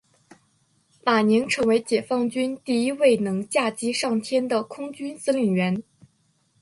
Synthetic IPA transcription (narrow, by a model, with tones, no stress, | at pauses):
ma˨˩ni˧˥ŋʈ͡ʂʰɤ˧˥ŋwe˧˥ɪt͡ɕjɛ˨˩fɑ˥˩ŋt͡ɕy˥nt̪i˥˩i˥we˥˩ɪnɤ˧˥ŋt͡ɕja˥˩t͡ɕi˥ʂɑ˥˩ŋt̪ʰjɛ˥nd̪ə˨kʰʊ˥ŋt͡ɕy˥nt͡sɹ̩˥ly˨˩nɥɛ˧˥n